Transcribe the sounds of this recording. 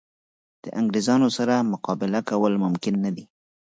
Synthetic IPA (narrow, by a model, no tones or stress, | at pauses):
d̪̥ə̰ʔaŋɡɾezɑnosaɾamʊqɑbɪlakawəlmʊmkɪnːad̪i